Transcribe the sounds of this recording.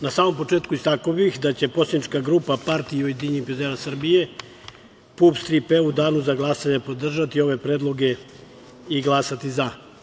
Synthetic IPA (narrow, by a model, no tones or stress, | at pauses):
nasaːmo̞mpo̞t͡ʂeːt̪kuist̪akobixd̪at͡ɕe̞po̞senit͡ʃkaɡɾuːpapaɾt̪iojed̪iɲixvezeɾasr̩bije̞ | pupst̪ɾipeud̪aːnuzaɡlˠasaɲepo̞d̪r̩ʒat̪io̞ʋe̞pɾeːd̪lˠo̞ɡe | iɡlˠaːsat̪iza